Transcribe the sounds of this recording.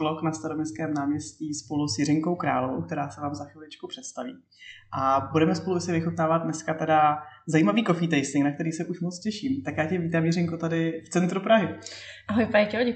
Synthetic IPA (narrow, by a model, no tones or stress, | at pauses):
loknast̪aɾomɲɛskɛːmnaːmɲɛsciːspo̞lusjɪɾɪŋko̞wkɾa̰ːloo̰wk̚t̪ɛɾaːsɛvaːmzaxviːlɪt͡ʃkupr̥ɛt̪st̪avḭː | ʔabudɛmɛspolujsɛvɪxut̪naːvad̪̚dnɛskat̪ɛdazajiːmaviːko̞fiːt̪ɛjsɪŋknakt̪ɛɾiːsɛʔuʃmot͡scɛʃiːmt̪akjaːcɛviːt̪aːmjɪrɪŋkot̪adɪft͡sɛnt̪ɾupɾaɦɪʔaɦojpajɪcɛoɟɛ